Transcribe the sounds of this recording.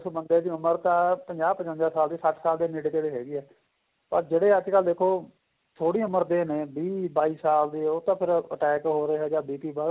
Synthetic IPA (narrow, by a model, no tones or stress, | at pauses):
soːbənd̪eːd̪iːʊməɾt̪ãːpəɲd͡ʒaːbpəɲə̃nd̪aːsaːld̪iːsəʈʰsaːld̪eːneɽeːt̪eːɽeːɦɛːɡiːɦɛː | pəɾd͡ʒeːɽeːəd͡ʒkəld̪eːkʰːoː | t̪ʰoːɽiːʊməɾd̪eːnẽːbiːbaːiːsaːld̪iːoːt̪ãːpʰɪɾə̰ʈɛːkɦoːɾeːɦɛːd͡ʒãːbiːpiːbə